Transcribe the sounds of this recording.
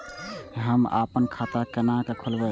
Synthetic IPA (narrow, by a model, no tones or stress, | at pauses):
ɦəma̰pənkʰat̪akənakekʰulbɛ